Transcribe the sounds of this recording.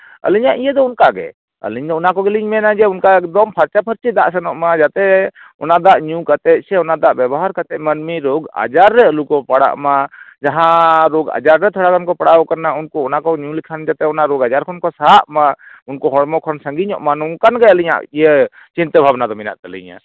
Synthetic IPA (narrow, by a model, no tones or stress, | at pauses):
ə̰liɲaʔijəd̪ɔunkaɡɛ̰ | ə̰liɲd̪ɔunakɔɡɛliɲmɛnad͡ʒɛunkaɛkd̪ɔmpʰaɾt͡ʃapʰəɾt͡ʃid̪a̰ʔsɛnɔʔmad͡ʒat̪ɛɔnad̪aʔɲũkat̪ɛt̪̚ˀsɛɔnad̪aʔbjɛbɔɦaɾkat̪ɛt̪̚mənmiɾoɡa̰d͡ʒaɾːɛəlukɔpaɽa̰ʔmad͡ʒaɦãɾoɡa̰d͡ʒaɾːɛt̪ʰɔɽakankɔpaɽakaɾnaunkɔɔnakɔɲũlikʰand͡ʒat̪ɛɔnaʔɾoɡad͡ʒaɾkʰɔnkɔsaʔmaunkɔɦɔɽmɔkʰɔnsə̃ŋɡiɲɔ̰ʔmanɔŋkanɡɛəliɲa̰ʔijə | t͡ʃint̪əbʱabnad̪ɔmina̰ʔt̪əlḭɲa̰